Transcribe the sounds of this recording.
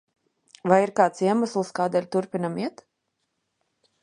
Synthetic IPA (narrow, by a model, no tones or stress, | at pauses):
vajiɾkaːt̪siɛmaslˠskaːd̪ɛlʲt̪uɾpʲinamiɛt̪